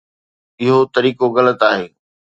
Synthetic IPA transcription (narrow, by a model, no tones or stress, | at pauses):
ɪɦot̪ɐɾiːkoɣɐlət̪aːɦeː